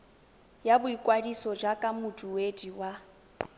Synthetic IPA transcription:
jabʊikʼwadisɔd͡ʒakʼamutʼuwediwa

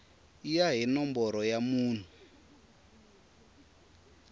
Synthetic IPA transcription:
ijaɦinɔmbɔɾɔjamuːn̤u

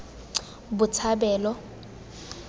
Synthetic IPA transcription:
bʊt͡sʰabɛːlɔ

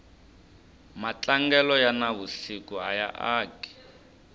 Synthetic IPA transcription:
mat͡ɬʼaŋɡɛlɔjanaβusikuaja̰ʔaːki̥

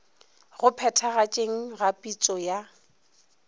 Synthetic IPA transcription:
ɣʊpʰɛtʰaɣat͡ʃʼeŋ̩ɣapʼit͡sʼɔja

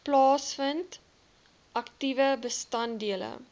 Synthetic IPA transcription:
plɑːsfənt | ʔɐktivəbəstɐndiələ̰

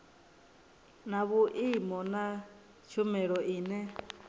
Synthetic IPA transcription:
naβuʔimɔna | t͡ʃʰumɛɺɔʔiːnɛ

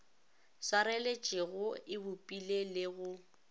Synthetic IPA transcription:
swaɾelet͡ʃʼɪɣʊɪbʊpʼilelɪɣʊ

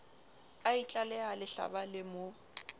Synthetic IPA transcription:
ait͡ɬʼalɛalɪɬa̰balɪmo

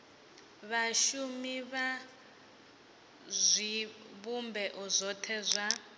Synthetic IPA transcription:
βaʃumiβa | zʷiβumbɛʔuzɔtʰɛzʷa

